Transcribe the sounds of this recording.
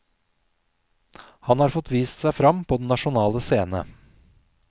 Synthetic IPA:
hɑnhɑːɾfɔt̪ʋiːst̪sæɪfɾɑmpʰoːd̪ɛnːɑʃʊnɑːləseːnə̰

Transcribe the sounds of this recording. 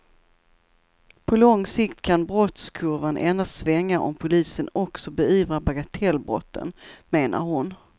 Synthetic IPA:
pʰɔlɔŋsɪkt̪kʰanbɾɔt̪skʰɵɾvanʔɛnast̪svɛŋːaʔɔmpʰʊliːsənɔksɔbɛyːvɾabaɡat̪ʰɛlːbɾɔ̰t̪ʰːə̰nmeːnʔa̰ɾhʊn

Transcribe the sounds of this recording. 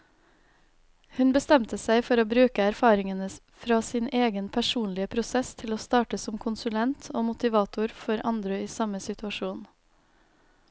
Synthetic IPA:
hʉnbəst̪ɛmt̪əsæɪfɔɾoːbɾʉːkəæɾfɑːɾɪŋənə | fɾɑːsiːnʔeːɡənpʰæʃuːnlɪəpʰɾʊsɛst̪ʰɪloːst̪ɑːʈəsɔmkʰʊnsʉlɛnt̪ʰoːmʊt̪ɪʋɑːt̪ʊɾfɔɾʔɑnd̪ɾəiːsɑməsɪt̪ʉɑʃuːn

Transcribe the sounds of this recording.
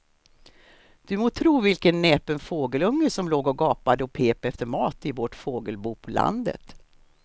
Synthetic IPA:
d̪̥ɵmot̪ʰɾuːvɪlkənːɛːpənfoːɡəlɵŋːəʂɔmloːɡɔɡɑːpad̪əɔpʰeːpɛft̪əɾmɑːt̪ɪvoʈfoːɡəlbuːpʰɔla̰nd̪ə̰t̪

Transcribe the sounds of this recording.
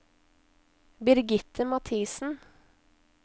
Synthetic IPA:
bɪɾɡɪt̪ʰəmɑt̪ʰiːsn̩

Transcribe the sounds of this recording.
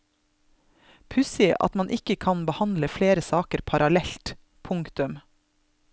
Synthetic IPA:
pʰʉsɪʔɑ̰t̪mɑnʔɪkəkʰɑnbəhɑnd̪ləfleːɾəsɑːkəɾpʰɑɾʔɑlɛlt̪ | pʰʊŋkt̪ʉm

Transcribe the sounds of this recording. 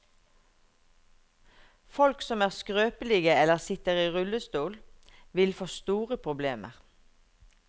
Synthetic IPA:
fɔlksɔmæːʁskʁøːpəlɪːɡəɛləʁsɪt̪əʁiːʁʉləst̪uːlʋɪlfoːst̪uːʁəpʰʁʊbleːmə̰ʁ

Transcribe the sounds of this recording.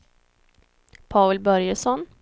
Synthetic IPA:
pʰaʉlbœɾjəʂɔn

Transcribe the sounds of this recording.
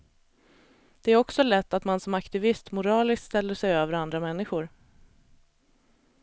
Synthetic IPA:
d̪̥ɛæɾɔksɔlɛt̪ːat̪mansɔmakt̪ɪvɪst̪mʊɾɑːlɪst̪st̪ɛlːəʂɛjøːvəɾand̪ɾamɛnːɪɧʊɾ

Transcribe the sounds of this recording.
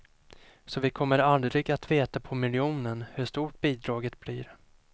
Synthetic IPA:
sɔvɪkʰɔmːəɾald̪ɾɪɡat̪veːt̪apʰɔmɪlɪuːnənhɵʂt̪uːʈ̚b̥iːd̪ɾɑːɡət̪b̥lɪːɾ

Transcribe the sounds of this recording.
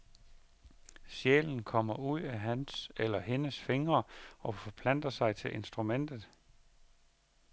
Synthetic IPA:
ɕjḛːln̩kʰɒm̰ɐuð̰ˠæɦænselɐɦe̝nəsfe̝ŋɐɒ̽fɒ̽pʰlæn̰d̥ɐsɑ̈ɪt͡sʰe̝lʔe̝nsd̥ʁumen̰d̥ð̩ˠ

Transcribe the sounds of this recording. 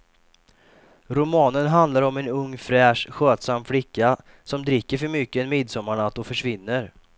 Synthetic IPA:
ɾʊmɑːnənɦand̪laɾɔmɛnɵŋːfɾɛːʂɧøːt̪samːflɪkːa | sɔmd̪ɾɪkːəɾfœɾmʏkːəɛnmɪd̪sɔmːaɳat̪ːɔfœʂvɪnːəɾ

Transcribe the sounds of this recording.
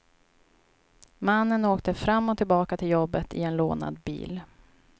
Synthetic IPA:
manːənoːkt̪əfɾamːɔt̪ʰɪlbɑːkat̪ʰɪljɔbːət̪ʰɪ̰ɛnlo̰ːna̰d̪bḭːl

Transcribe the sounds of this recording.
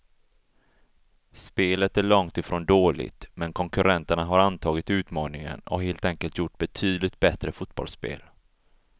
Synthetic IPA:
speːlət̪æɭɔŋt̪ɪfɾoːnd̪oːlɪ̰ɡt̪mɛnkʰɔŋkɵɾʔɛnt̪əɳaɦaɾant̪ʰɑːɡɪt̪ʉ̟ːt̪mɑːnɪŋə̰nɔ̰ɦeːlt̪ɛŋkəlt̪jʊʈːbɛt̪ʰyːd̪lɪt̪̚bɛt̪ɾəfʊt̪b̥ɔ̰lspḛːl

